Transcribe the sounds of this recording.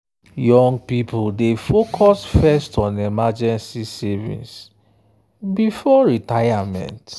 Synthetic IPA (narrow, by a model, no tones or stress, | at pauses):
jɔ̃ŋɡ̚pipuldefokʰɔsfɛstʰɔ̃nɛmad͡ʒɛ̃nsisɛvḭ̃ns | bifɔɹitajamɛ̰̃nt